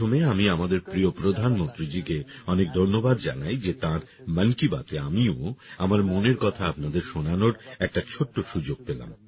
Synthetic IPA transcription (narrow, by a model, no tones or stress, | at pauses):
omeamiamad̪eɾpɾiopɾod̪ʱanmont̪ɾid͡ʑikeɔnek̚d̪ʱoɾnːobad̪d͡ʑa̰najd͡ʑet̪ãɾ | mənkiba̰t̪eamioamaɾmoneɾkɔt̪ʰaapnad̪eɾʃonanoɾɛk̚ʈat͡ɕʰoʈːoʃud͡ʑoɡ̚pela̰m